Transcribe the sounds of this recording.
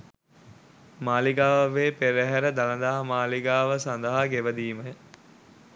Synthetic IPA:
maːliɡaːʋɐʋeːpeɾeɦæɾəd̪alɐnd̪aɦamaːliɡaːʋəsand̪əɦaɡeʋəd̪iːməj

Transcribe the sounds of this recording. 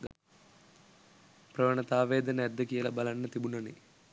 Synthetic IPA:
pɾɐʋɐɳɐt̪aːʋeːd̪ɐnɐɐd̪ːɐkijɐlɐbɐlɐnːɐt̪ibunɐni

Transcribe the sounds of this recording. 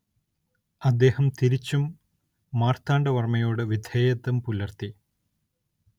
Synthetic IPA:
ɐd̪ːe̞ːhɐmt̪iɾit͡ɕːumː | aːrt̪ʰaːɳɖɐʋɐrmɐjo̞ːɽɨʋid̪ʱeːjɐt̪ːɐmpulɐrt̪i

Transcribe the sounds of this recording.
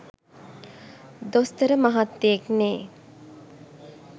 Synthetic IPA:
d̪ost̪əɾəmaɦat̪ːejekneː

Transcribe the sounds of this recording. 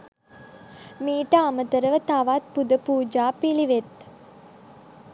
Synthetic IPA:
miːʈəamət̪əɾəʋət̪aʋaːt̪̚pud̪əpuːd͡ʒaːpiliʋet̪

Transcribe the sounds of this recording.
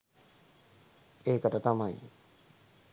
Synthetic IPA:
eːkəʈət̪amaj

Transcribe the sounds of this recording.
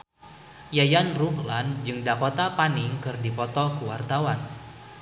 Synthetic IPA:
jajanruɦland͡ʒɨŋdakɔt̪apanɪŋkɨrdipɔt̪ɔkuwart̪awan

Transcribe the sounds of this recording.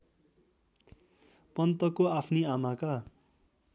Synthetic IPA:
pʌnt̪ʌkoapʰniamaka

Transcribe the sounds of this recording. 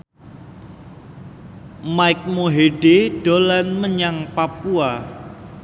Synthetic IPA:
majk̚moɦeɖeɖ̥olanməɲaŋpapua

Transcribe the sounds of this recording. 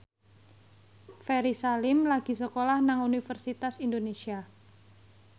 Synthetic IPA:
feɾisalɪmlaɡ̥i̤səkolahnaŋunifərsit̪asindonesia

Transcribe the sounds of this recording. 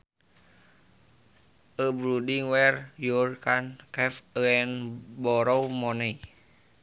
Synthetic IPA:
ʔəbɾudiŋwɛrjurkankɛfəɛnbɔɾɔwmɔnɛi

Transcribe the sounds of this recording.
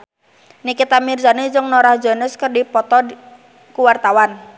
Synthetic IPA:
nikit̪amirsaned͡ʒʊŋnoɾahd͡ʒanəskərdipɔt̪ɔ | kuwart̪awan

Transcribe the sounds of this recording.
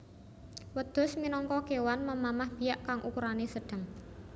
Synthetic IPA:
wəd̪̥ʊ̤sminɔŋkɔkewanməmamahb̥i̤jaʔkaŋʔukuɾanesəɖ̥ə̤ŋ

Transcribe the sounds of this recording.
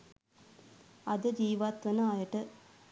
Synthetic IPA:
ɐd̪ɨd͡ʒiːʋaːt̪ʋɐnɐaːjɐʈɨ

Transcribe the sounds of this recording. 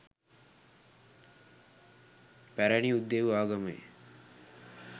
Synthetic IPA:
pæɾæniud̪ːeʋuaːɡɐməḛ

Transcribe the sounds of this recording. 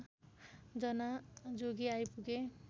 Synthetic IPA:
d͡zʌnad͡zoɡiajpuɡe

